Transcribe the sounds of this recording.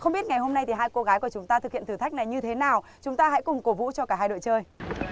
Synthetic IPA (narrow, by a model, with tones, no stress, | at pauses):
xə˧wŋ͡mɓi˦˥ət̚ŋa˨˩jhɦo˧mna˧jt̪ʰi˨˩ɦaː˧jko˧ɣaː˨˦jku˧˩ət͡ɕʊ˨˦ŋ͡mt̪aː˧t̪ɨ˨˩k̚hḭ˧˨nt̪ʰːt̪ʰjk̚na˨˩jɲɨ˧t̪ʰe˨˦naː˨˩wt͡ɕʊ˨˦ŋ͡mt̪aː˧ɦa̰˧˥jkʊ˨˩ŋ͡mko˨˧˩vṵ˧˥t͡ɕɔ˧kaː˧˩ɦaː˧jɗo̰˧˨jt͡ɕəː˧j